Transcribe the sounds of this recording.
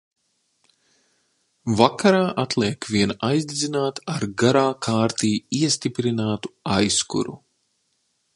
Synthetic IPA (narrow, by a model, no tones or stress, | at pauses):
vakaɾaːʔat̪lˠiɛkviɛnajzd̪id̪zinaːt̪aɾɡaɾaːkʰaːɾt̪iːiɛst̪ipɾinaːt̪u̥ajskṵɾṵ